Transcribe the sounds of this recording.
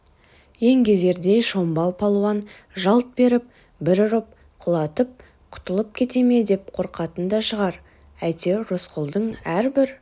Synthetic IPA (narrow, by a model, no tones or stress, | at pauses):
je̞ŋɡʲe̞ze̞ɾd̪e̞jʃo̞mbɑlˠpʰɑlˠuɑn | ʒɑlˠt̪̚be̞ɾɪp̚ | bɪɾʊɾəp̚ | qʰʊlˠɑt̪əp̚ | qʰʊ̥t̪əlˠəp̚kʲʰe̞t̪e̞me̞d̪e̞p̚qʰo̞ɾqɑt̪ənd̪ɑʃəʁɑɾ | æjt̪e̞rʊsqʰʊlˠd̪əɴæɾbɪɾ